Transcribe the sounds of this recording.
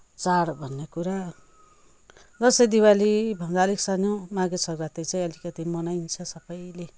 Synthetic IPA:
t͡saɽbʱʌnːekuɾa | d͡zʌsʌjd̪iwalibʱʌnd̪aliksanomaɡesʰʌɡɾat̪ʌjt͡saj̃ʌlikʌt̪imʌnajnt͡sʰʌsʌpʌjle

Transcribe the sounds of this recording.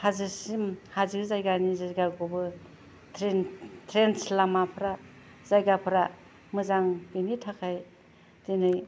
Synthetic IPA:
hazɯsimhazikzajɡanizajɡaɡobɯ | tʰɾentʰɾenslamapʰɾa | zajɡapʰɾa | mɯzaŋbinitʰakʰaj | dinɯj

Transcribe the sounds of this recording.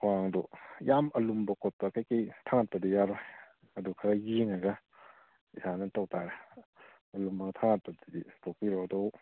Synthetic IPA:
kʰɔaŋdɔjamɐlumbɐkɔt̚pɐkajkejtʰaŋat̚pɐdijaɾɔj | ɐdukʰaɾajiŋaɡɐ | isʰanɐtɔk̚tʰaɾa | ɐlumbɐɡtʰaŋat̚pɐdiditʰok̚piɾɔwdɔw

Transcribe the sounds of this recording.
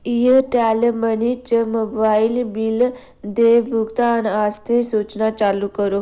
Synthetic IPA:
iəʈɛlmənit͡ɕəmobailbil | d̪ebʱuɡt̪anast̪ʰẽsut͡ʃnat͡ɕalukəɾo

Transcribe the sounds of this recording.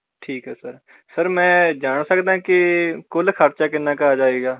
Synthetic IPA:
ʈʰiːkɦɛːsəɾ | səɾmɛ̃ːd͡ʒaːɳsəkd̪ãːkɪkʊlkʰəɾt͡ʃaːkɪnːãːkəɾaːd͡ʒaːeːɡaː

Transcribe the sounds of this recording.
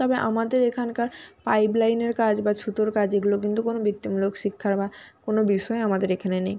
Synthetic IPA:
t̪ɔbeʔa̰mad̪eɾekʰankaɾpajblajneɾkad͡ʑbat͡ɕʰut̪oɾkad͡ʑeɡulok̬int̪ukonobit̪ːimulokʃikʰːaɾbakonobiʃɔeamad̪eɾekʰanenej

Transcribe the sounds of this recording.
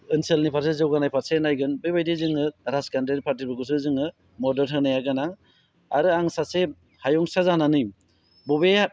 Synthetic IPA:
ɯnselnipʰaɾs̬ezɯwɡanajpʰaɾsenajɡɯnbɯjbajdizɯŋɯɾaskandɾeɾipʰaɾt̬ibɯɡus̬ɯzɯŋɯ | mɔdeɾɦɯnajaɡanaŋ | a̰ɾɯaŋsase | hajɔŋsazananɯj | bɔbea

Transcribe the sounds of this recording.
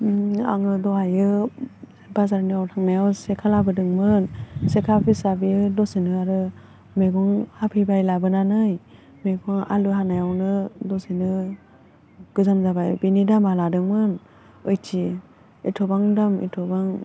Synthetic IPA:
a̰ŋɯdɔajɯ | bazaɾniawtʰaŋnajawsekʰalabɯdɯŋmɯnsekʰapʰisabiɯdɔsinɯaɾɯ | meɡɔŋhapʰibajlabɯnanɯj | meɡuŋa̰lɯɦanajawnɯdɔsinɯ | ɡ̥ɯzamzabajbinidamaladɯŋmɯn | ɯjtʰi | itʰɔbaŋdamḭtʰɔbaŋ

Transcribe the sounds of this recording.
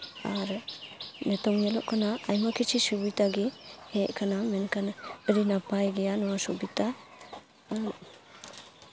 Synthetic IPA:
aɾ | netɔŋjelɔʔkʰanaːjmakʰit͡ʃisubitaɡiheʔ̚kʰanamenkʰanaɾinapajɡejanɔwasubita

